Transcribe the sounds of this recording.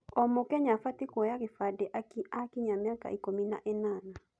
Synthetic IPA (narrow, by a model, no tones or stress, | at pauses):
ɔmokɛɲafatikɔjaɣefadɛʔaakiɲamjaka̰ʔikomina̰ʔɛnana